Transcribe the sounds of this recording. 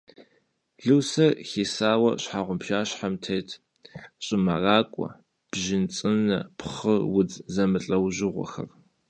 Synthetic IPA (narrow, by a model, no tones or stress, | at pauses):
ɮɨwsɐxiːsaːwɐ̰ɕħaːʁʷʊmpʃaːɕħamtʰejtʰ | ɕʼɪmɐraːkʷʼɔ̰ | b̥ʒɪnt͡sʼɨnɐpχəwʊd͡zzɐmɨɬʼɐwʑɪʁʷɔ̰xɐ̰r